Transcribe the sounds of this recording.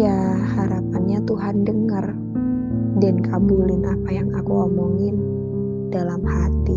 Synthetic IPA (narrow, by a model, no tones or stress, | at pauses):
jahaɾapanɲat̪uɦandəŋər | dankabulɪnapajaŋakuɔmɔŋɪn | dalamhat̪i